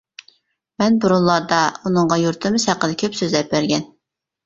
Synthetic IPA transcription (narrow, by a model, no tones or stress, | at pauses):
mɛnbuɾunlˠɑɾd̪ɑunɨɴʁɑjuɾt̪ʰɨmɨshæqːəd̪ɪkʲʰøpsøzlɛp̚bæɾɡʲɛn